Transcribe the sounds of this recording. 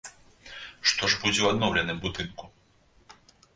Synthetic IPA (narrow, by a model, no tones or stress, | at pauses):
ʂt̪ɔʐbud͡zʲɛwad̪nɔwlʲɐnɨmbud̪ɨnku